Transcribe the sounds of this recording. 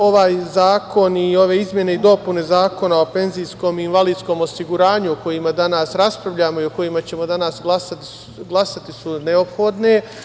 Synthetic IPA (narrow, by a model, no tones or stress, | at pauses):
o̞ʋaːjzaːko̞nio̞ʋe̞izmje̞ne̞id̪o̞pune̞zaːko̞nao̞pe̞nzijsko̞minʋaliːd̪sko̞ːmo̞siɡuɾaːɲuoko̞jimad̪anaːsɾaspɾaʋʎaːmo̞io̞ko̞jimat͡ɕe̞mo̞d̪anaːsɡlˠasat̪ | ɡlˠasat̪isuneo̞pxo̞d̪ne̞